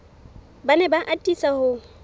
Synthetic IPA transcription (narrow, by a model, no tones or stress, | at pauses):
banɛbaʔatʼisahʊ